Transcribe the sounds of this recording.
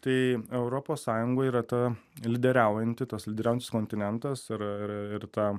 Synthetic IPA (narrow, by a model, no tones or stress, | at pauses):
t̪ɐɪɛʊɾoːpoːssɑːjʊŋɡoːiːɾɐt̪ɐ | lʲɪd̪ʲɛɾʲæʊjɛnʲt̪ʲɪt̪ɐslʲɪd̪ʲɛɾʲæʊɛnʲɪskoːnʲt̪ʲɪnʲɛnt̪ɐsɪɾɪɪɾt̪ɑː